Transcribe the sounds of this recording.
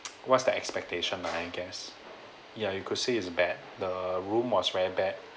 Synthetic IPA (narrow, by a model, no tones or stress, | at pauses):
wɔtsdəɛkspɛk̚tʰeʃə̃naaɡɛs | jajukʰʊd̥̚seɪsbɛd̚dəɹũmwɔsvɛɹibɛd̚